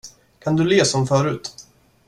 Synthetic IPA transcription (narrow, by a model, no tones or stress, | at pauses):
kʰand̪ɵleːsɔmfœːɾʉ̟ːt̪